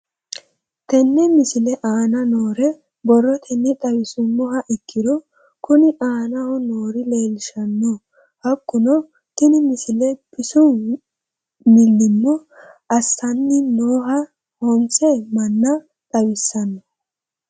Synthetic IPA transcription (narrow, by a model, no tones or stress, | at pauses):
t̪ɛnːɛmɪsɪlɛʔaːnɐnoːɾɛ | bɔrːɔt̪ʰɛnːɛt̪ʼɐwɪsʊmːɔɦɐʔɪkːɪd̪ɔ | kʊnɪʔaːnɐhɔnoːɾɪleːlɪʃɐnːɔ | hɐkːʊnɔ | k̪ɪnɪmɪsɪlɛpɪsʊ | mɪlːɪmːɔɐsːɐnːɪnoːɦɐ | hɔnt͡sʼemɐnːɐ | t̪ʼɐwɪsːɐnːɔ